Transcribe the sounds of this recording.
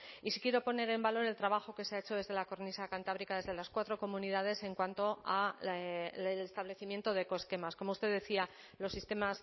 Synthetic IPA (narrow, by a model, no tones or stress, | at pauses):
isikje̞ɾo̞po̞ne̞ɾe̞mbalo̞ɾe̞lt̪ɾaβaxo̞ke̞seaet͡ʃo̞ðe̞zð̞e̞lako̞ɾnisakant̪aβɾikaðe̞zðe̞laskwat̪ɾo̞ko̞mũniðað̞e̞se̞ŋkwant̪o̞a | elest̪aβle̞θimje̞nt̪o̞ð̞e̞ko̞e̞ske̞masko̞moust̪e̞ðe̞θia | lo̞sːist̪e̞mas